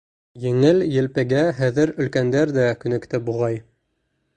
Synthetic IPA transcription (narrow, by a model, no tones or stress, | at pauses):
jɘ̆ŋɘljɘ̆lpɘ̆ɡæɦæðɘɾɵ̆lkænd̪æɾd̪ækɵ̆nɘ̆kt̪ɘp̚buʁɑj